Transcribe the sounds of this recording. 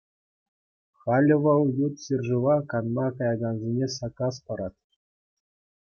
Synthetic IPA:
χɑlʲɤ̆ʋɤ̆lˠjut̪sʲerʲʐɤ̆ʋɑkɑnmɑkɑjɑɡɑnzʲenʲesɑkɑs̬pɑɾɑt̪̚ʲ

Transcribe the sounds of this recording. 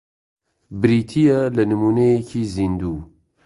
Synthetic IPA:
bɨɾiːt̪ʰijɛlɛnɨmuːnejekʰiːzind̪uː

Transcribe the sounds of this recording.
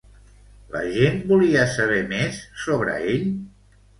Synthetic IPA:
lə̰ʒenbuliəsəβ̞ɛmesːoβɾə̰eʎ

